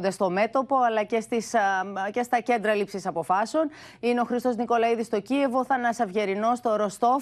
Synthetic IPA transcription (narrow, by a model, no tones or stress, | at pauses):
nd̪est̪o̞me̞t̪o̞po̞ɐlɐce̞st̪isce̞st̪ɐce̞nd̪ɾɐlipsisɐpo̞fɐseo̞n | ineo̞xɾist̪o̞zniko̞lɐiðist̪o̞cie̞vo̞θɐnɐsɐvʝe̞ɾino̞st̪o̞ɾo̞st̪o̞